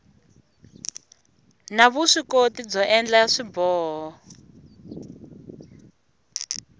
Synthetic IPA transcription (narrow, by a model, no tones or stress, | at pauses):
naβuʂikotid͡zɔʔɛnd͡ɮaʂibɔːɦɔ